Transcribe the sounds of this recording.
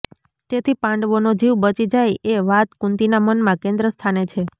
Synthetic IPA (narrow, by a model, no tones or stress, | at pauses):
t̪et̪ʰipãɳɖʋonod͡ʒiʋbət͡ʃid͡ʒajʔeʋat̪kũnt̪inamənmãkẽnd̪ɾəst̪ʰanet͡ʃʰe